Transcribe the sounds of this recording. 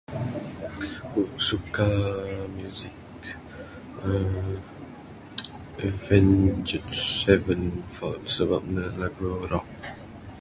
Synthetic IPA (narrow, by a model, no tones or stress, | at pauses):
kuʔsukamjuzik | ə | vɛ̃nd͡ʒətsɛvə̃nfɔtsəba̰p̚nəlaɡɹoɾɔk̚